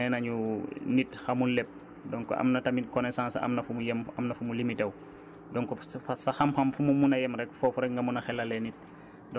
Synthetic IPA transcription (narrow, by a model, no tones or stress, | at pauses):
ɛnɐɲunitxɐmunlɛp̚ | dɔŋkɔ̰ʔɐ̰mnɐtɐmikɔnɛsãːnsɐ̰mnɐfumujɛmɐmnɐfumulimitɐw | dɔŋkɔsfɐsɐxɐmxɐmfumumunɐjɛmɾɛkfɔfuɾɛk̚ŋɡɐmunɐxɛlːɐlɛnit̚ | dɔ